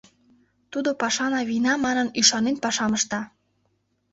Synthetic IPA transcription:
t̪ud̪opɑʃɑnɑβinɑmɑnənyʃɑnenpɑʃɑməʃt̪ɑ

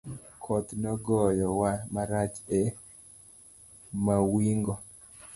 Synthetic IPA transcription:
kʰɔt̪nɔɡɔjɔwamaɾat͡ʃe | mawiŋɡɔ

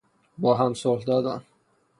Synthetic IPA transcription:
bɒːɦæmsohd̪ɒːd̪æm

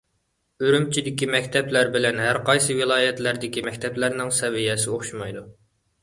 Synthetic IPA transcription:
yɾymt͡ʃʰid̪ɪkʲimɛkʲt̪ʰɛplæɾbɪlɛnɦæɾqɑjsɨwɪlˠɑːjɛt̪læɾd̪ɪkʲimɛkʲt̪ʰɛplæɾnɪŋsɛvijɛsɪoχʃumɑjd̪u

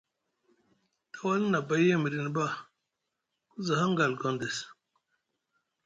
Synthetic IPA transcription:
t̪awalnabajemiɾinba | kuzɐɦaŋɡalkond̪es

